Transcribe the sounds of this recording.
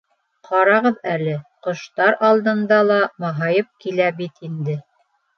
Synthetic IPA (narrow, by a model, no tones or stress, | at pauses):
qɑɾɑʁɤðælɘqŏʃt̪ɑɾɑlˠd̪ɤ̆nd̪ɑlˠɑmɑɦɑjɤp̚kilæbit̪ind̪ɘ